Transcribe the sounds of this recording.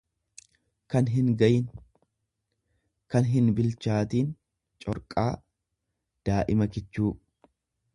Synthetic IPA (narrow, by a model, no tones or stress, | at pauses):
kɐnɦɪnɡɐjɪn | kɐnɦɪnbɪlt͡ʃaːt̪iːn | t͡ʃʼɔɾkʼaː | d̪̥aːʔɪmɐkɪt͡ʃːuː